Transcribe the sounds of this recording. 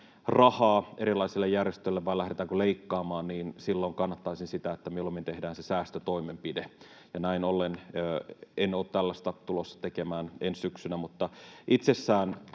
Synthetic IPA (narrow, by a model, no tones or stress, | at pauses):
rɑhɑːeɾilɑisilːejjærjest̪øilːeʋʋɑilæhɾet̪æːŋkuleikːɑːmɑːnniːnsilːoŋkɑnːɑt̪ːɑisinsit̪æet̪ːæmilːomːint̪ehdæːnsesæːst̪øt̪oimempide | jɑnæinolːenøːenoːt̪t̪ælːæst̪ɑt̪ulosːɑ̥t̪ekemæːnenssyksynæmut̪ːɑʔit̪sesːæːn